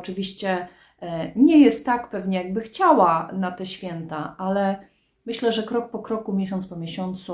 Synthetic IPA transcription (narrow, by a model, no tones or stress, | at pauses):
ɔt͡ʂɘvʲiɕt͡ɕɛ | ɲɛjɛst̪ːakpɛvɲɛjaɡ̚bɘxt͡ɕawanat̪ɛɕfʲjɛnt̪aʔalɛ | mɘɕlɛʐɛkɾɔk̚pɔkɾɔkumʲjɛɕɔ̃nt̪spɔmʲjeɕɔnt̪su